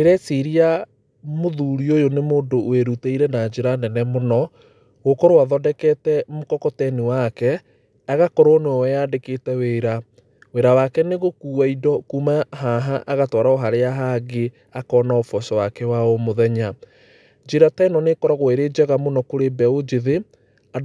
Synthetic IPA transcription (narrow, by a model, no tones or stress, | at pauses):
eɾɛseɾia | moðuɾiojonemoːdoeɾuteiɾɛnad͡ʒeɾanɛnɛmonɔ | ɣokɔɾoaðɔdɛkɛtɛmokɔkɔtɛniwakɛ | aɣakɔɾwɔnoɔwɛjadeketɛweːɾa | weɾawakɛneɣokuːwaidɔkumaɦaɦaʔːɣatwɔɾaoɦaɾeaɦaɡe | akɔːnaofɔsɔwakɛwaomoðɛɲa | d͡ʒeɾatɛnɔnekɔɾɔɣoeɾed͡ʒɛɣamonɔkoɾebɛod͡ʒeðe | a